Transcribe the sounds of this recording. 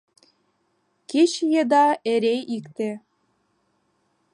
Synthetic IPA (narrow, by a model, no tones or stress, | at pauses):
ket͡ɕjed̪ɑeɾeikt̪e